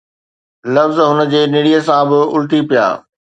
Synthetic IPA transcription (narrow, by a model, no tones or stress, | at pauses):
lɐfzɦʊnə̆d͡ʑeːnɪɽijəsãbɪʊlt̪ipija̰ː